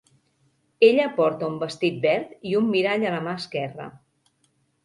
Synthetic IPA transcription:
eʎəpɔɾt̪əumbəst̪it̪̚bɛɾt̪iumːiɾaʎələmaəskɛrə̰

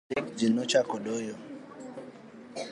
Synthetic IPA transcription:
ikd͡ʒinot͡ʃakoɗojo

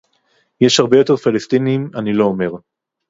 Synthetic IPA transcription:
jeʃhaʁbejo̞t̪e̞ʁfalest̪iniimanilo̞ːme̞ʁ

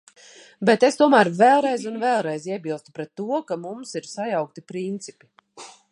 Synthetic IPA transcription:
bet̪est̪uɔmæːɾvɛlˠɾɛjzunvɛːlˠɾɛjziɛbilˠst̪u̥pɾɛt̪ːuɔkamumsiɾsajawk̚t̪ipɾint̪sipi̥

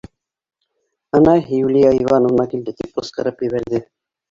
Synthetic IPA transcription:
ɤnɑɦijulijaɤjvɑnovnɑkild̪ɘt̪ip̚qɤ̆sqɤ̆ɾɤpjɘ̆βæɾðɘ

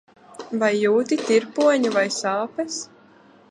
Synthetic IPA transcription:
vajːuːt̪it̪iɾpuɔɲuvajsaːpɛs

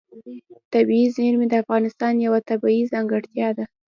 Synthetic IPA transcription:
t̪abiizmeɾmed̪əafɣɑnɪst̪ɑnjawat̪abaizɑŋɡəɽt̪jɑd̪a

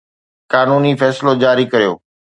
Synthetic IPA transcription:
kaːnuːnifɛːsɪlod͡ʑaːɾikɐɾijo̰ː

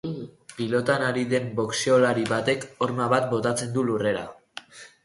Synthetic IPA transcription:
pilo̞t̪anaɾiðe̞mbo̞kseolaɾiβat̪e̞ko̞ɾmaβat̪̚bo̞t̪at͡se̞nd̪ulure̞ɾa̰

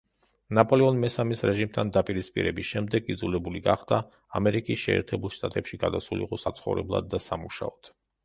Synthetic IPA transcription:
napʼɔlɛɔnmɛsamisɾɛʒimt̪ʰand̪apʼiɾispʼḭɾɛbisʃɛmd̪ɛɡid̪zulɛbuliɡaχd̪̥a | amɛɾikʼisʃɛːɾt̪ʰɛbulˠʃt̪ʼat̪ʼɛpʃiɡad̪asulḭqʼɔsat̪sʰχɔvɾɛblˠa̰d̪̚ːasamuʃa̰ɔd̪̥

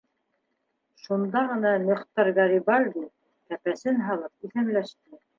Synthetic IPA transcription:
ʃund̪ɑʁɤ̆nɑmŏχt̪ɑɾɡɑɾibɑlʲd̪i | kæpæsɘnɦɑlˠɤp̚iθæmlæʃt̪ɘ

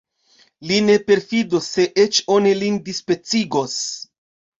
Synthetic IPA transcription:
line̞pe̞ɾfidosːe̞ʔet͡ʃo̞nilindispɾe̞t͡siɡo̞s

